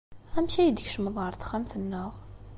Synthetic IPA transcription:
æmʃæjəd̪çʃəməðˤʁəɾˤθχæmθənːəʁ

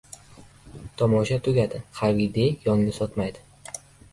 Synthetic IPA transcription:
t̪ʰɒmɒʃat̪ʰʊɡʲad̪ɪhavid̪ejɒŋnɪsɒt̪majd̪ɪ

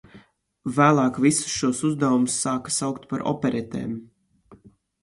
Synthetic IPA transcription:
væːlˠɑːkvisu̥sʃuɔsuzd̪awumusːaːkḁsawkt̪paɾʔɔ̰pɛɾɛt̪ḛːm

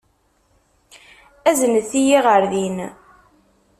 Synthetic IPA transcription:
æzənəθijiʁəɾðin

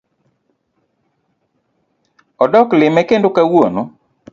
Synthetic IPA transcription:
ɔdɔklɪmɛkendokawono

